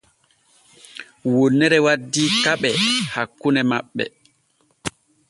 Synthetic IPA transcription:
wonːɛɾɛwadːikaɓɛhakːunɛmaɓːɛ̰

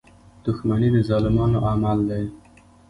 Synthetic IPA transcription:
d̪̥ʊxmanid̪əzɑlɪmɑnoʔamald̪aj

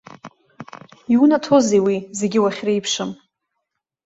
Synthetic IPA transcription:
iunatʰozewizeɡʲɪwaχʲrejpʰʂɨm

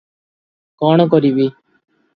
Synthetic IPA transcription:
koːɳk̬oɾiːʋiː

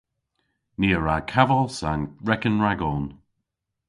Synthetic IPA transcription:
niːəɹakʰavəlˠsanɹɛkənɹaɡɔːn

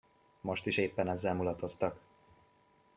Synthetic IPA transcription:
mo̞ʃt̪iʃeːpːɛnɛzːɛlmulɒt̪o̞st̪ɒk

